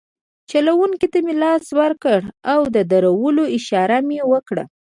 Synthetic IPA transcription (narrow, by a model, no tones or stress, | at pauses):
t͡ʃalawuŋkit̪amelɑswəɾkəɽawd̪əd̪aɾawəloɪʃɑɾamewəkɽa̰